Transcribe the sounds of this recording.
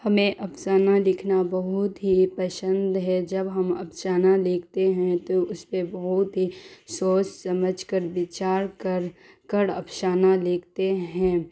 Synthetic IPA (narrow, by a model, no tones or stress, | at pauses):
hɐmẽʔɐpsaːnalɪkʰnabɐɦʊt̪ɦipɐʃə̃nd̪ɦɛd͡ʒɐbɦɐmɐ̰pʃaːnalɪːkʰt̪eɦɛ̃t̪oʊspebɐɦʊt̪ɦisoːt͡ʃsɐməd͡ʒʱkəɾʋɪt͡ʃaːɾk | kəɽɐpʰʃaːnalɪːkʰt̪eɦɛ̃ː